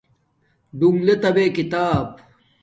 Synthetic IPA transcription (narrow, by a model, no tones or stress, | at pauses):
ɖuŋɡlet̪ɐbeːkit̪aːb